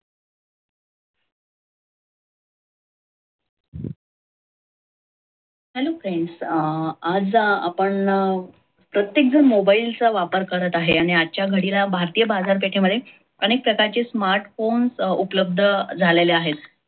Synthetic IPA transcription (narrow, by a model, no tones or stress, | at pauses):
hɛlokajns | ad͡za̰pəɳ | pɾət̪jek̚d͡zəɾmobailt͡səʋapəɾkəɾət̪aɦeaɽ̃iat͡ɕjaɡʱəɽilabʱaɾt̪ijəbad͡zaɾp̬eʈʰeməd̪ʱːe | əñek̚pɾəkaɾt͡ɕesmaɾʈfonsupləb̚d̪ʱəd͡zʱaleleaɦet̪